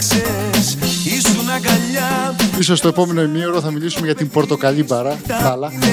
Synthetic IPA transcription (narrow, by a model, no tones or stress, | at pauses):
isunɐɡɐʎɐiso̞st̪oe̞po̞me̞no̞imioɾoθɐmilisume̞ʝɐt̪imbo̞ɾt̪o̞kɐʎibɐɾɐɐlɐ